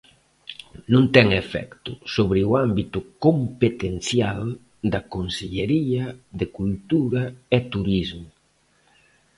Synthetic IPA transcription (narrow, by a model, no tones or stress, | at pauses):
nũnt̪ɛŋefɛ̰kt̪ʊsoβɾɪuambit̪ʊkompet̪enθjal | d̪ɐkonseʎeɾiɐðekult̪uɾɐet̪uɾizmʊ